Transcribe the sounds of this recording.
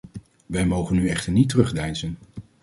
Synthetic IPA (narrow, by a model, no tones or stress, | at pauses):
ʋɛjmowχənyɛχtəɹnitərɵχdɛjnzən